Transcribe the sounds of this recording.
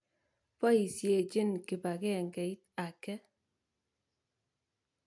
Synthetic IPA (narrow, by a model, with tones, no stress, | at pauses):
pɔ˦i˨sje˨d͡ʒe˦˨nki˨ba˨ke˦˨ŋ˨ke˨i˦t̚a˨kɛ˦